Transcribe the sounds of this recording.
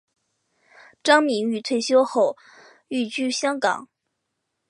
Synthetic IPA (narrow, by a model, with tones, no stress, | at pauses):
ʈ͡ʂɑ˥ŋmi˧˥ŋy˨˩t̪ʰwe˥˩ɪɕjo˥ʊxo˥˩ʊ | y˥˩t͡ɕy˥˧ɕjɑ˥ŋkɑ̰˨˩˦ŋ